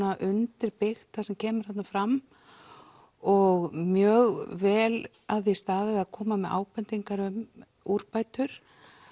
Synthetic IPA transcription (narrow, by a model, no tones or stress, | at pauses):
aʔʏnt̪ɪɾpɪxt̪θasɛmcʰɛːmʏɾ̥hat̪nafɾam | ɔɣmjœːɣvɛːl | aððist̪aːðɪðaðkʰɔːmamɛðʔa̰ːwpɛnt̪iŋkaɾʏm | uɾpajt̪ʏɾ̥